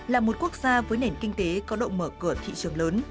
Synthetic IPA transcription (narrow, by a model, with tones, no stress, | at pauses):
laː˨˩mo˨˩t̚ku˦˥ək̚z̥aː˧vəː˨˦jne˧˩nki˧ŋ̟t̪e˨˦kɔ˨˦ɗə̰˧˨ŋ͡mməː˧˩kɨ˧˩ət̪ʰḭ˧˨t͡ɕɨ˨˩əŋləː˨˦n